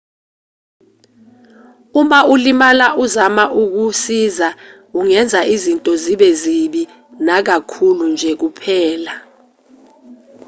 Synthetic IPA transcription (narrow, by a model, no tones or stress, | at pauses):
umaulimalaʔuzamaʔuk̬usiza | uŋɛnd͡zʱaʔizintʼɔziɓɛziɓi | nak̬akʰulund͡ʒʱɛk̬upʰɛːla